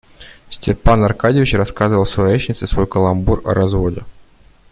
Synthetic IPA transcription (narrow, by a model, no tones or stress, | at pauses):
sʲtʲɪrpanɐrkadʲɪvʲɪt͡ɕrɐskazɨvəlˠsvɐjet͡ɕnʲɪt̪sɨsvojkəlˠɐmburɐ̰ɾɐzvodʲɪ